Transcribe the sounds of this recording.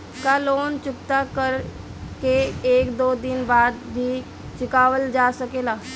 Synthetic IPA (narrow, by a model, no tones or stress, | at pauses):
kaːloːnt͡ʃʊpt̪akəɾ | keeːkd̪oːd̪ɪnbaːd̪bʱi | t͡ʃɪkaːʋəld͡ʒaːsɐkeːlaː